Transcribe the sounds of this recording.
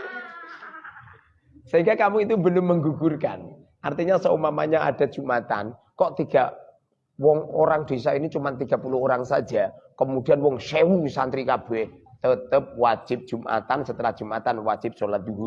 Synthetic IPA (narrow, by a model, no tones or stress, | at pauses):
səɦiŋɡakamuit̪̬ubə̤lʊmməŋɡuɡurka̰n | art̪iɲasɔumama̰ɲaa̰d̥a̤̥ʒ̥ṳmat̪a̰n | kɔʔt̪iɡ̥a̤ | wɔŋo̰ɾaŋd̪̥e̤sainit͡ʃumant̪iɡ̥a̤puluɦoɾaŋsḁd͡ʒ̥akəmud̥i̤anwɔŋsewusant̪ɾikab̥ɛ | t̪ət̪əp̚wḁd͡ʒ̥ɪp̚d̥ʒ̥umʔa̰t̪ansət̪əlahd̥ʒ̥ṳmat̪anwḁd͡ʒ̥ɪp̚solat̪̚duɡu